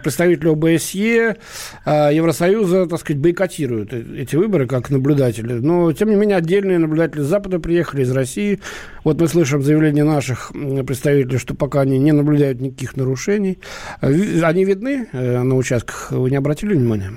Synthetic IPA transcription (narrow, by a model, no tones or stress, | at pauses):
pɾʲɪt̪st̪ɐvʲitʲɪlʲɪobəɛsje | ajɪvɾəsɐjuzət̪akskəzɛt̚ʲbəjkɐtʲiɾʊjʊt̪ɛtʲɪvɨbəɾɨkaknəblʲʊd̪atʲɪlʲɪnotʲemnʲɪmʲenʲɪəɐdʲːelʲnɨjənəblʲʊd̪atʲɪlʲɪzapəd̪əpɾʲɪjexəlʲɪːzɾɐsʲijɪ | vo̞t̪mɨslˠɨʂ̬ɨmzəjɪvlʲenʲɪjənaʂɨxpɾʲɪt̪st̪ɐvʲitʲɪlʲɪjʂt̪o̞pɐkaɐnʲinʲɪnəblʲʊd̪ajʊt̪nʲɪkɐkʲixnəɾʊʂɛnʲɪj | ɐnʲivʲɪd̪̚nɨnəʊt͡ɕast̪̚kə̥xvɨnʲɪɐbɾɐtʲilʲɪvnʲɪmanʲɪjə